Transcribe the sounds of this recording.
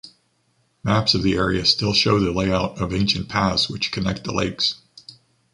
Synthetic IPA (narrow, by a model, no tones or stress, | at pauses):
mæpsʌvðiɛɹḭɨstɪlˠʃoʊðɨleɪaʊɾʌvẽɪ̃nʃɨ̃npʰæswɨt͡ʃkʰɨnɛk̚t̪̚ðə̰lḛɪks